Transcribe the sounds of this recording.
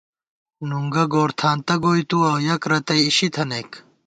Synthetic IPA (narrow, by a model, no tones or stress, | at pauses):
nuŋɡɐɡoːɾt̪ʰaːnt̪ɐɡoːjt̪uɐwjɐkɾɐt̪ɐjiɕit̪ʰɐnek